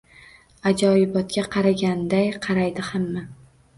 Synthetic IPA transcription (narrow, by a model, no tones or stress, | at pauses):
ad͡ʒɒɪbɒt̪̚kʲaqʰɑɾaɡʲand̪ajqʰɑɾajd̪ɪhamːa